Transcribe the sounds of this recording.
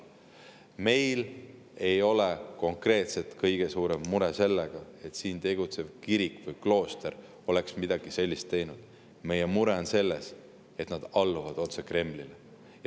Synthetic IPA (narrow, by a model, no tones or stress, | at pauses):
me̞jl | e̞jo̞leko̞ŋkre̞ːt̪se̞t̪kɤjɡ̥e̞suːɾe̞mːuɾese̞lːeɡ̥ɑe̞t̪siːnt̪e̞ɡ̥ut̪se̞v̥kiɾikvɤjklo̞ːst̪eɾ | o̞le̞ksmid̪̥ɑɡ̥ise̞lʲːist̪ːe̞jnud̪̥ | me̞jemuɾe̞onse̞lːes | e̞t̪nɑd̪̥ɑlːuvɑd̪̥o̞t̪se̞kre̞mlile | j